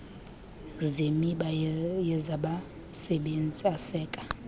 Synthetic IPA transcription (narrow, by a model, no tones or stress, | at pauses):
zemiɓajɛzaɓa | sɛɓend͡zʱʼiasɛːkʼḁ